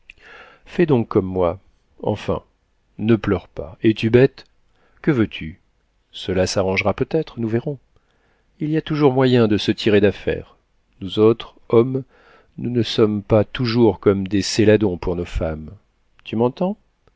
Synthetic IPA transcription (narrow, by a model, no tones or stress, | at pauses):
fɛd̪ɔ̃kʰːɔmːwa | ɑ̰̃fɛ̰̃ | nəplœʁpa̰et̪ybɛt̪ | kəvøt̪ʰy | səlasaʁɑ̃ʒʁapøt̪ɛt̪χnuvɛʁɔ̃ | iliat̪uʒuʁmwajɛ̃d̪əsət̪ʰiʁed̪afɛ̰ʁ | nuzot̪χ | ɔm | nunəsɔmpat̪uʒuʁkɔmd̪eselad̪ɔ̃puʁnofam | t̪ymɑ̃t̪ɑ̃